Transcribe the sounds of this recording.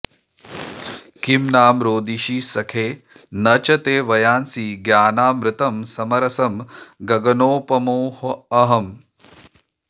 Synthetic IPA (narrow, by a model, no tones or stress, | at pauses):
kimnaːmɾoːd̪iʃiːsɐkʰeː | nɐt͡ʃɐt̪eːʋɐjaːnsiɡjaːnaːmɾɪt̪ɐmsɐmɐɾɐsɐmɡɐɡɐnoːpɐmoːhɐɐɦɐm